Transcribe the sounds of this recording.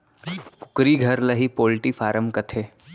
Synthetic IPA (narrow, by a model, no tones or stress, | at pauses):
kʊ̥kɾiɡʱɐɾlɐɦipoːlʈifaːɾəmkɐt̪ʰeː